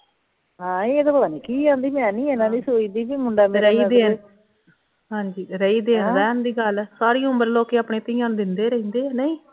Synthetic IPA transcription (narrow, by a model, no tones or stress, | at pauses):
ɦãːiːeːd̪opəd̪aːniːkiːãːnd̪iːmɛ̃ːnĩːeːnãːd̪iːsoːiːd̪iːbiːmʊɳɖaːmɾəiːd̪eːn | ɦãːɲd͡ʒiːɾəiːd̪eːnd̪aːnd̪iːɡəlsaːɾiːʊ̃mbəɾloːkeːaːpɳeːt̪ɪːãːnd̪ɪnd̪eːɾəĩːnd̪eːɛnəĩː